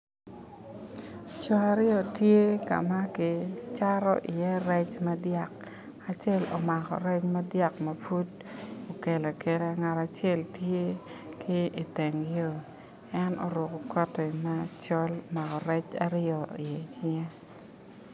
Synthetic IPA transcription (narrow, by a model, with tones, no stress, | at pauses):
t͡ʃɔ˨a˨ɾɪɔ˨tje˦ka̰˨ma˦kɪ˨t͡ʃa˦ɾɔ̰˦ʔɪ˨jɛ˦ɾɛ˦t͡ʃma˦dja˦˨k | a˨t͡ʃɛ˦lo̰˨ma˨kɔ̰˨ɾɛ˦t͡ʃma˦dja˦kma˨fu˦d | o˨ke˨la˨ke˨ɾe˦ŋa˨ta˨t͡ʃjɛ˦˨ltje˦kɪ˦i˨te˨ŋjo˦ | ɛ˦nɔ˨ɾʊ˨kɔ˨kɔ˦tɛ˨ma˦t͡ʃɔ˦lo˨ma˨kɔ˨ɾɛ˦t͡ʃa̰˦ɾɪɔ˨i˨jɛ˨t͡ʃɪ˦ŋɛ˦